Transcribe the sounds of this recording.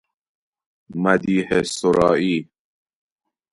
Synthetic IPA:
mad̪iːhesoɾɑːʔiː

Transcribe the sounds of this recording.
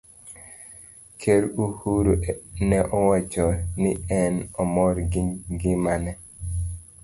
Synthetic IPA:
kʰeɾuhuɾonɛʔɔwat͡ʃɔnɪɛnɔmɔɾɡɪmanɛ

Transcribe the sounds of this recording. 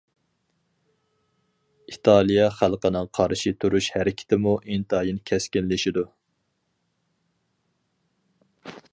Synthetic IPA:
it̪ʰɑlˠijɛχælˠqənɨŋqʰɑɾʃit̪ʰuɾuʃhæɾɪkʲʰɪ̥t̪ʰɪmuʔint̪ɑːjinkʲʰɛskʲinlɪʃid̪u

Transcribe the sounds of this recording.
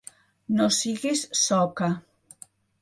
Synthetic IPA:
nosiɣesːɔka

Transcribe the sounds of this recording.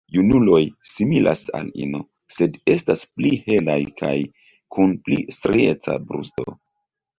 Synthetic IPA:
junulo̞jsimilʔa̰sa̰lḭno | se̞de̞stasplihe̞lajkaj | kʰunplḭstɾet͡sa̰bɾṵsto̞̰

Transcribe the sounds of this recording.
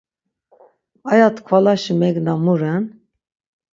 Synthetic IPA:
ajat̪ʰkʰalaʃimɛɡnamuɾɛn

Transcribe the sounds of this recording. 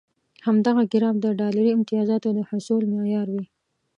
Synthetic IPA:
hamd̪aɣaɡɪɾɑmd̪əɖɑlaɾiɪmt̪ɪjɑzɑt̪od̪əhʊsulmɑjɑɾwi

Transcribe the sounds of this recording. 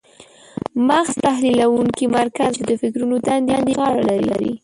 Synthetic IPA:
maxz̥t̪ahlilawuŋkimaɾkazd̪əfɪkɾunot̪and̪and̪eɣɑɽalaɾila̰ɾḭ

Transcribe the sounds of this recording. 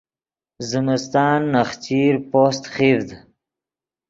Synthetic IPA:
zɪmɪst̪ɑːnːaxt͡ɕiɾpost̪χivd̪

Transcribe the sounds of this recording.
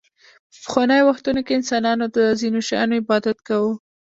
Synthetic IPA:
pə̥pə̥xwɑnəjowaxt̪unokeɪnsɑnɑnod̪əzinoʃɑ̰j̰noɪbɑd̪at̪kawu

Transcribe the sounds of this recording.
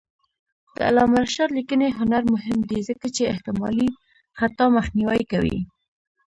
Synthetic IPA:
d̪̥ə̰a̰lɑmaɾʃɑɾlikəneɦʊnaɾmʊɦɪmd̪izəkat͡ʃeɪht̪ɪmɑ̰li | xat̪ɑmaxniwajkawḭ

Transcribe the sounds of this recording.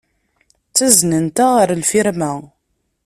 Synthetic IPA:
t͡sːæznənt̪aʁəɾlfiɾmæ

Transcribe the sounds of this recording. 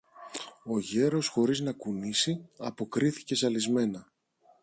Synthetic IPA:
o̞ʝe̞ɾo̞sxo̞ɾiznɐkunisiɐpo̞kɾiθi̥ce̞sɐlizme̞nɐ

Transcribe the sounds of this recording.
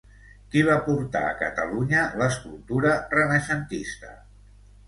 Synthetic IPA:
kiβ̞apuɾt̪a̰ə̰kət̪əluɲələskulˠt̪uɾərənəʃənt̪ist̪ə

